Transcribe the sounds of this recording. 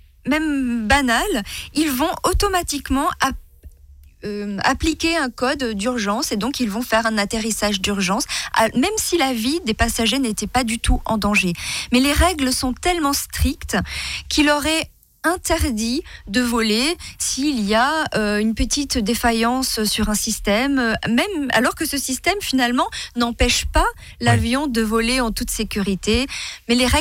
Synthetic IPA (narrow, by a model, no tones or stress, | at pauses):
mɛmbanalilvɔ̃ot̪ɔmat̪ikmɑ̃a | øa̰plikʲeɛ̃kɔd̪d̪yʁʒɑ̃sed̪ɔ̃kilvɔ̃fɛʁɛ̃nat̪eʁisaʒd̪yʁʒɑ̃sa̰mɛmsilavid̪epasaʒenet̪ɛpad̪yt̪ʰuʔɑ̰̃d̪ɑ̃ʒemɛleʁɛɡləsɔ̃t̪ɛlmɑ̃st̪χikt̪kʲʰilɔʁɛ | ɛ̃t̪ɛʁd̪id̪əvɔlesiːliaøynpət̪it̪d̪efajɑ̃ssyʁɛ̃sist̪ɛmøɛma̰lɔʁkəsəsist̪ɛmfinalmɑ̃nɑ̃pɛʃpa | lavjɔ̃d̪əvɔleɑ̃t̪ut̪sekʲyʁit̪emɛleʁɛ